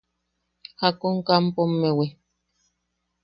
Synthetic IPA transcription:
hakoŋkampomːewe

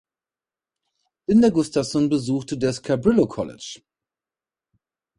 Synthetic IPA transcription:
ʔɪndeːɐɡʊstafsɔnbəzuːxtədaskʰabʁɪlokʰɔlɪ̰t͡ʃ

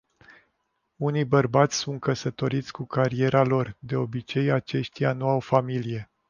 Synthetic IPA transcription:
unijbərbat̪sʲsunt̪̚kəsət̪o̞ɾit̪sʲkukaɾie̞ɾalo̞rd̪e̞o̞bit͡ʃe̞jat͡ʃe̞ʃt̪ijanuawfamilije̞

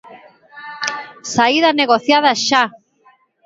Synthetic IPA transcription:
saiðaneɣ̞oθjaðaʃa

